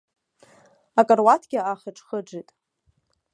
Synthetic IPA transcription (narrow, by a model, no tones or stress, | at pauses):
akʼarwatʰɡʲɪaχəʈ͡ʂʰʼχəʈ͡ʂitʼ